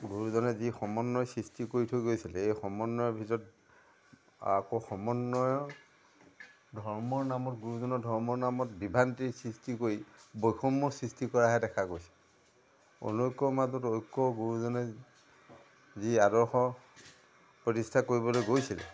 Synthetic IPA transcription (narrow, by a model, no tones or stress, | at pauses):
ɡuɹuzɔnɛzixɔmɔnːɔjsɹistikoɹitʰojɡojsilɛejxɔmɔnːɔjɔbʱitɔɹɔt | a̰koxɔmɔnːɔjɔ | dʱɔɹmɔɹnamɔtɡuɹuzɔnɔdʱɔɹmɔɹnamɔtbibʱantisɹistikoɹibojxʰɔmːɔsɹistikɔɹaɦɛdɛkʰakojsi̥l | o̰nojkːɔmazɔtojkːɔɡuɹuzɔnɛ | ziadɔɹxɔ | pɹɔtistʰakoɹibɔlojɡojsilɛ̰